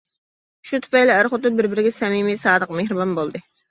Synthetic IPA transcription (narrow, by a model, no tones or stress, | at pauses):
ʃut̪ʰʊ̥pɛjlɪæɾχʊt̪ɨbɪɾbɪɾɪɡʲɛsɛmimisɑːd̪əq̚mehɾɨbɑnbolˠd̪ɨ